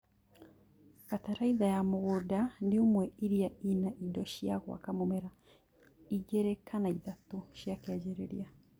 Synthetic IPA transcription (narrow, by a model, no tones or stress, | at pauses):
kataɾaiðajamoɣodandiomwɛiɾiainaʔidɔʃiaɣwa̰kamomɛɾa | iɡɛɾɛkʰanaiðatuʃjakiad͡ʒɛɾɛɾḭa